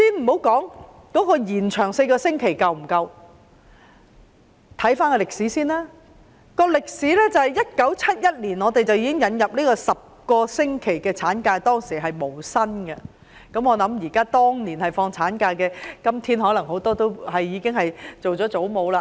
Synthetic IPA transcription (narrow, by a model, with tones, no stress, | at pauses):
siː˥nm̩˨˩ho˨˥wkɔː˨˥ŋ | kɔː˨˥kɔː˧jiː˨˩nt͡ʃʰœː˨˩ŋse˧jkɔː˧sɪ˥ŋkʰe˨˩jkɐ˨wm̩˨˩kɐ˧w | t̪ʰɐ˨˥jfaː˥nkɔ˧lɪ˨k̚siː˨˥siː˥naː˥ | kɔː˧lɪ˨k̚siː˨˥lɛː˥t͡sɐ˨hɐ˨jɐ˥t̚kɐ˨˥wt͡sʰɐ˥t̚jɐ˥t̚liː˨˩nɔː˨˧t̪e˨jt͡sɐ˨wjiː˨˥ɪ˥ŋjɐ˨˥njɐ˨p̚niː˥kɔː˧sɐ˨p̚kɔː˧sɪ˥ŋkʰe˨˩jkɛː˧t͡sʰaː˨˥nkaː˧jt̪ɔː˥ŋsiː˨˩ɦɐ˨jmo˨˩wsɐ˥nɡɐ̰˧ | kɐ˨˥mɔː˨˧lɐ˨˥mjiː˨˩kaː˥t̪ɔː˥ŋniː˨˩nhɐ˨jfɔː˧ŋt͡sʰaː˨˥nkaː˧kɛː˧kɐ˥mt̪ʰiː˥nhɔː˨˥lɐ˨˩ŋɦo˨˥wt̪ɔː˥t̪o˥whɐ˨jːiː˨˧kɪ˥ŋhɐ˨jt͡so˨wt͡sɔː˨˥t͡so˨˥wmo˨˧wlaː˧